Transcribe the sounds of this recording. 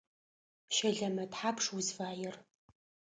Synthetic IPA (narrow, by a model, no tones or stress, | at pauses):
ʃɐɮɐmɐtħaːpʰʂwʊzvaːjɪr